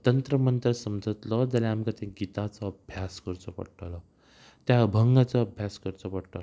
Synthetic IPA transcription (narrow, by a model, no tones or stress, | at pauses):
t̪ənt̪ɾəmənt̪əɾsəmd͡zʱət̪lɔd͡zalaamkat̪ãɡit̪at͡sɔəbʱjaskəɾt͡sɔpə̰ɽʈalɔ | t̪jabʱəŋɡat͡sɔːbʱjaskəɾt͡sɔpəɽʈal